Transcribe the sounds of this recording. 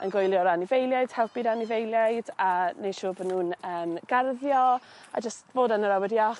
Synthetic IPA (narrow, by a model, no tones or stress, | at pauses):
ʔə̰nɡojlˠjɔɾanɪvejlˠjajd̥hɛlˠpiɾanɪvejlˠjajdaneʃuːbənuːnəːmɡ̥arðjɔ | a̰d͡ʒəstvoːdanəɾawɛdjaχ